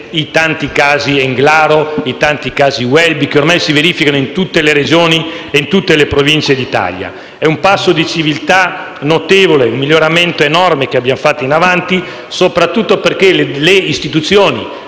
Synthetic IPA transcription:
it̪ant̪ikaːzieŋɡlaːɾoit̪ant̪ikaːziwɛlbikeormajsiveɾiːfikanoint̪ut̪ːeleɾed͡ʒoːni | eint̪ut̪ːelepɾovint͡ʃed̪it̪a̰lja̰ | ɛumpasːod̪it͡ʃivilt̪a | not̪eːvoleumːiljoɾament̪oenɔrmek̟eabːjamfat̪ːoinavant̪i | sopɾat̪ːut̪ːoperkelleist̪it̪ut̪sːjoːnḭ

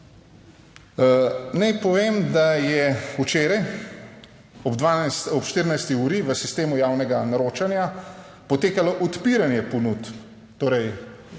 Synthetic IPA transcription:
nɛjpɔʋeːmd̪ajɛut͡ʃeːɾaj | ɔbd̪ʋasɔpʃt̪iɾinajst̪iuːɾiʋəsist̪eːmujaːwnɛɡanaɾoːt͡ʃanja | pɔt̪eːkalɔʔɔt̪piɾanjɛpɔnut̪ː | oːɾɛj

